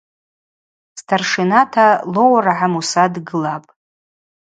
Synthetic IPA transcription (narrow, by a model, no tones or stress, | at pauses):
stʰarʂinatʰalo̞waraʕamusadɡɨlapʼ